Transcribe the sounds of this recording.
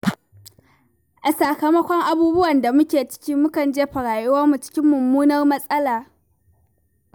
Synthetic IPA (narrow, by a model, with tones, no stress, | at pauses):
ʔa˨sɐ˨kɐ˨mɐ˦kʷɔ˦ŋʔa˦buː˦bʊ˦wɐ˨nda˨mʊ˦kʲeː˨t͡ʃɪ̥˦kʲiː˦mʊ˦kɐ˨nd͡ʒeː˦ɸa˨ɽaː˨jʊ˦wɐ˦mu˨t͡ʃɪ̥˦kʲɪ˦mːʊ˨mːuː˦nɐ˦rmɐ˦sʼɐ˦laː˨